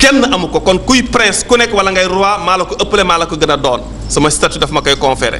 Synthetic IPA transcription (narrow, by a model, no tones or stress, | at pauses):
kɛnːɐʔɐmukɔkɔnkujpɾɛ̃nskunɛkwɐlɐŋɡɐjɾuaːmaːlɐkuʔɐpːəlemaːlɐkuɡɐnɐdɔːn | sɐmɐstatudɐfmɐkɐjkɔ̃nfɛːɾɛ̰